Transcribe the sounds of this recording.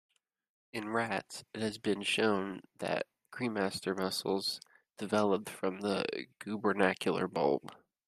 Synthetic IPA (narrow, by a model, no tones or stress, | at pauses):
ɨ̃nɹætsɨt̚hɨzbɨ̃nʃõʊ̃nðɨ̰t̚ɡ̥ɹ̥ĩnmæstə˞mʌsl̩ˠz̥ | d̥ɨvɛlˠəp̚tfɹʌ̃mðə̰ɡ̥ʉbə˞nækʰjl̩ˠə̰˞bʌ̰lˠb̥